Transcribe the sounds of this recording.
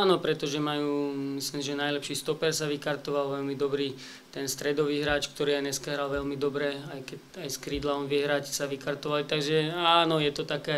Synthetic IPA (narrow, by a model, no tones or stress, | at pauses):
aːnɔpɾɛt̪ɔʒɛmajuːmislimʒɛnajlɛpʃiːst̪ɔpɛɾsaʋikaɾt̪ɔʋalʋɛlmid̪ɔbɾiː | t̪ɛnst̪ɾɛd̪ɔʋiːɦɾaːt͡ʃk̚t̪ɔɾiajɲɛskaɦɾalʋɛʎmid̪ɔbɾɛajkɛ | ajskɾiːd̪laɔnʋɪɛɦɾacsaʋikaɾt̪ɔʋalit̪aɡʒɛaːnɔjɛt̪ɔt̪akɛ